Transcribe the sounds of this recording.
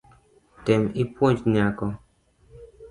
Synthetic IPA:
t̪ɛmipwɔ̃t͡ʃɲakɔ

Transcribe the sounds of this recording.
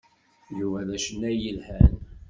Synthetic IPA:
juvæðæʃənæjəlhæl

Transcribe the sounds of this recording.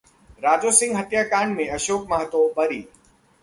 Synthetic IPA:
ɾaːd͡ʑoːsɪ̃ŋɡɦət̪jaːkaːnmẽɐʃoːkmaɦt̪obɐɾiː

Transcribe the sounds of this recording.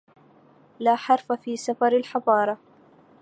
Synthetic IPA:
laːħɑɾˤfafiːsafɑɾˤalħɑðˤɑːɾˤɑ

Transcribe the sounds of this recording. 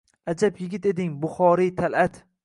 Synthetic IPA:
ad͡ʒapjɪɡʲɪt̪e̞d̪ɪŋbʊχɒɾit̪ʰalat̪

